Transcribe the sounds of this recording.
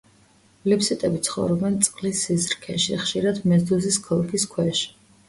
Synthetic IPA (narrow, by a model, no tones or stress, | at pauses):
lipsit̪ʼɛbit̪sʰχɔ̰vɾɔbɛnt̪sʼqʼlisːizɾkʰɛʃiχʃiɾad̪mɛzd̪uziskʰɔlˠkʰiskʰwɛʃi̥